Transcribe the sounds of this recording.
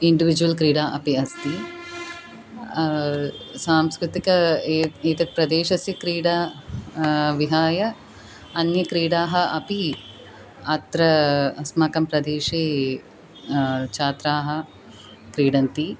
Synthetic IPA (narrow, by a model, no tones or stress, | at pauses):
iɳɖiʋid͡ʒuʋɐlkɾiːɽaːʔɐpiɐst̪i | saːmskɾɪt̪ikɐeːt̪ɐpɾɐd̪eːʃɐsjɐkɾiːɽa | ʋiɦaːjɐ | ɐnjɐkɾiːɽaːɦɐʔɐpi | ɐt̪ɾɐsmaːkɐmpɾɐd̪eːʃeː | t͡ʃaːt̪ɾaːɦɐ | kɾiːɽɐnt̪i